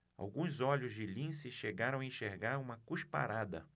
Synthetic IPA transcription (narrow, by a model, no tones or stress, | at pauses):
a̰wɡũzɔʎʊzd͡ʒɪlĩsɪʃeɡaɾɐ̃w̃aẽʃeɾɡaɾũmɐkuʃpa̰ɾad̪ɐ̰